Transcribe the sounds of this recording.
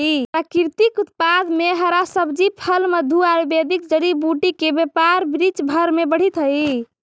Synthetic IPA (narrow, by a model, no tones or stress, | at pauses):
ipɾakiɾt̪ikut̪̚pad̪meɦəɾasəbd͡ʒipʰəlməd̪ʱuaɾbed̪ikd͡ʒəɽibuʈikebepaɾbɾit͡ʃbʱəɾmebəɽ̤it̪ɦəi